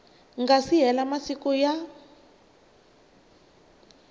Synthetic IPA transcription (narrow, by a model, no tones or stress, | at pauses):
ŋɡasiɦɛlamasikɔja